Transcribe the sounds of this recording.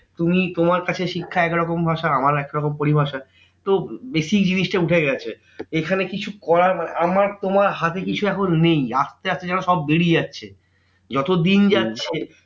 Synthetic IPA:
t̪umit̪omaɾkat͡ɕʰeʃikʰːaɛkɾɔkombʱaʃaamaɾɛkɾɔkompoɾibʱaʃa | t̪obesikd͡ʑiniʃʈauʈʰeɡɛt͡ɕʰe | ekʰanekit͡ɕʰukɔɾaɾmaneʔamaɾt̪omaɾɦat̪ekit͡ɕʰuɛkʰonnejaʃt̪eaʃt̪ed͡ʑanoʃɔbːeɽid͡ʑatːɕʰe | d͡ʑɔt̪od̪ind͡ʑatːɕʰe

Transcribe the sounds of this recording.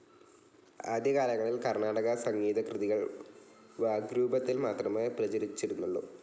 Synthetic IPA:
a̰ːd̪jɐkaːlɐŋːɐɭilkɐrnaːɽɐɣɐsɐŋɡiːðɐkrɨðiɣɐɭ | ʋaːɡɾuːbɐt̪ːilmaːt̪rɐmeprɐt͡ɕɐɾit͡ɕːiɾunːuɭːṵ

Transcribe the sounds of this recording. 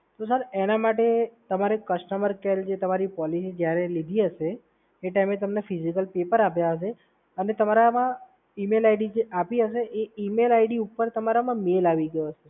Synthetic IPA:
t̪os̬əɾenamaʈet̪əmaɾekəʃʈəməɾkeld͡ʒet̪əmaɾipɔlisid͡ʒjaɾelid̪ʱiɦəʃeː | ʈajmet̪əmnefizikəlpepəɾapjaɦəʃ̬e | ənet̪əmaɾamã | imelajɖid͡ʒeʔapiɦəʃ̬eʔeimelaiɽiupəɾt̪əmaɾamãmelaʋiɡəjot͡ʃʰe

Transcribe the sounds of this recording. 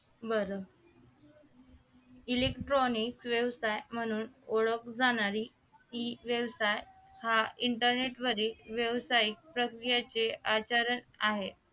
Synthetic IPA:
bəɾə | ilekʈɾonikʋeʋsajm̤əɽ̃uːnoɭəkd͡zaɽ̃aɾiː | iʋjeʋsaj | haiɳʈəɾneʈʋəɾiːlʋjeʋsaik̚pɾəkɾijat͡seʔat͡ɕaɾənaɦe

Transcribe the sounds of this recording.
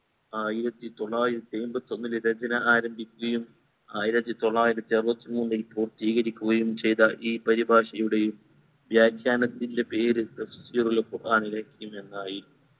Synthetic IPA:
aːjiɾɐt̪ːit̪o̞ɭːaːjiɾɐt̪ːiejmbɐt̪ːionːilɾɐd͡ʑɐnɐʔaːɾɐmbʱikʲːuɣɐjum | aːjiɾɐt̪ːit̪o̞ɭːaːjiɾɐt̪ːiɐrbɐt̪ːimuːnːilpuːrt̪iːɣɐɾikʲːuɣɐjumt͡ɕe̞jt̪ɐʔiːpɐɾibʱaːʂɐjuɽe̞jum | bjaːd̪ʰʱjaːnɐt̪ːindepe̞ːɾɨefi̥siɐrulkurʔaːɳilɐkʲːɐjume̞nːaːji

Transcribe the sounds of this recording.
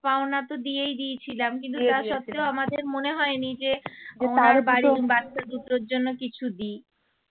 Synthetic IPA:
paonat̪od̪ijejd̪iet͡ɕʰilamkint̪uaʃɔt̪ːeoamad̪eɾmoneɦɔenid͡ʑe | aɾbaɾibat̪ːad̪ut̪ɾoɾd͡ʑonːokit͡ɕʰud̪i

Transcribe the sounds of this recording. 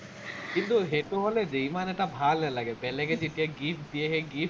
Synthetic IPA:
kint̪uɦeʈuɦoled͡ʒejmaneʈabʱalːɛlaɡepɛleked͡ʒeʈiaɡifʰd̪ieɦeɡi

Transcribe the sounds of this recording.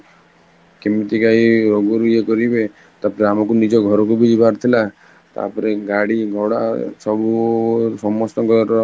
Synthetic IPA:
kemit̪ikaiɾoɡɔɾujekɔɾibe | t̪apɔɾeamɔkunid͡ʒɔɡʱɔɾɔk̬ubid͡ʒibaɾt̪ʰila | t̪a̰pɔɾeɡaɽiɡʱɔɽasɔbusɔmːɔst̪ɔɡɔɾɔ

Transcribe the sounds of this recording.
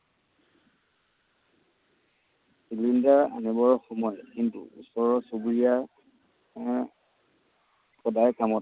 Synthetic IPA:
silindaa̰nibɔɹxɔmɔjkintṵṵsɔɹɔsubɹija | pɔdajkamɔt

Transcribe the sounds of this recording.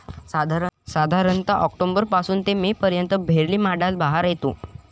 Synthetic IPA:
sad̪ʱaɾsad̪ʱaɾənt̪aʔɔk̚ʈombəɾpasuːnt̪emepəɾjənt̪əbʱeɾliːmaɽalbaɦaɾjet̪õ

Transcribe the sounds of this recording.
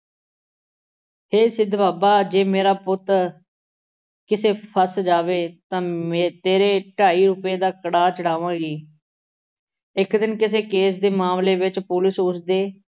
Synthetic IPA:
heːsɪd̪baːbaːd͡ʒeːmeːɾaːpʊt̪ | kɪseːpʰəsd͡ʒaːʋeːt̪ãːmẽːt̪eːɾeːʈaːiːɾʊpeːd̪aːkəɽaːt͡ʃəɽaːʋãːɡiː | ɪkd̪ɪnkɪseːkeːs̬d̪eːmaːmleːʋɪt͡ʃpʊlɪsʊsd̪eː

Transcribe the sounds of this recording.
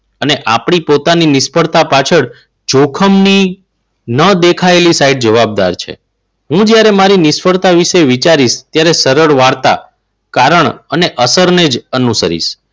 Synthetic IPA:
əneʔapɳ̃ipot̪aninɪspəɽt̪apat͡ʃʰəɽ | d͡ʒokʰəmni | nəd̪ekʰaelisaiɖ̚d͡ʒəʋab̚d̪a̰ɾt͡ʃʰḛ | ɦũd͡ʒjaɾemaɾinɪspəɽt̪aʋiʃeʋit͡ʃaɾiʃt̪jaɾesəɾəɭʋaɾt̪a̰ | kaɾəɳəneʔəsəɾned͡ʒənusə̰ɾḭʃ

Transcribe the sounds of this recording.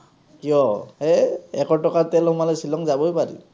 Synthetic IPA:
kijɔɛɛkɔtɔkat̪ɛlhʊmalɔsilɔŋzabɔjpaɹḭ

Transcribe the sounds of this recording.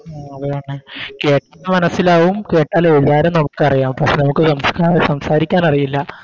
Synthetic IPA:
aːɐðɐaːɳːɨke̞ːʈːalːemɐnɐsːilaːʋumke̞ːʈːaːlelːaːɾemnɐmukːɨɐrijaːmpɐkʂe̞nɐmukːɨsɐmskasɐmsaːɾikʲːaːnɐrijilːɐ

